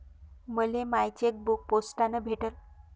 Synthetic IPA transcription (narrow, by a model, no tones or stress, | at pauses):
məlemajt͡ɕek̚buk̚posʈanəbʱeʈəl